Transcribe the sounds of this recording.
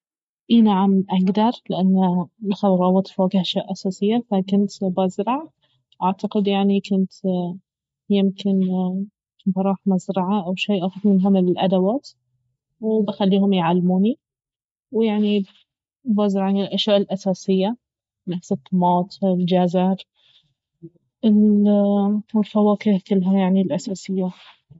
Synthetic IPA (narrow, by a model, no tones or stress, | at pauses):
ʔinaʕamʔaɡd̪ɑɾˤlɪʔanːalxɑðˤɾˤɑbɑt̪ˤfwaːɡhʔaʃjaːʔasaːsɪjːafakʊnt̪bazɾɑʕ | ʔaʕt̪aqɪd̪jaʕnikʊnt̪ | jɪmkɪn | bɑɾˤɑːħmazɾɑʕaʔawʃeːʔaːxʊd̪mɪnɦʊmɪllʔad̪awaːt̪ | wbɪxalːiːhʊmjʕalːmuːni | wjaʕni | bazɾɑʕanɪlʔaʃjaːʔɪlʔasaːsɪjːa | nafsɨt̪ˤːɑmɑːt̪ˤɪld͡ʒazɑɾ | ɪl | wɪlfawaːkɪhkʊlːɦajaʕnilʔasaːsɪjːa